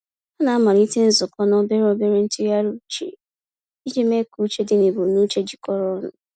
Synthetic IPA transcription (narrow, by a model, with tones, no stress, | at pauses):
a˦na˨a˦ma˨ɾi˦te˦n̩˦zʊ˨kɔ˦nɔ˦be˦ɾo˦be˦ɾe˦n̩˦tu˦a˦ɾu˦t͡ʃḛ˨ | i˦d͡ʒe˦me˦ku˦t͡ʃe˦dɪ˦ne˨bo˨nu˦t͡ʃe˦d͡ʒi˨kɔ˦ɾɔ˦nʊ̰˨